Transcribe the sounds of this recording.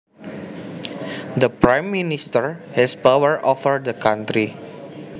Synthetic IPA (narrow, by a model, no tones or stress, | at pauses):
dəpɾãjmːinist̪əɹhɛspawəɹʔɔfəɹd̪əkãnt̪ɾi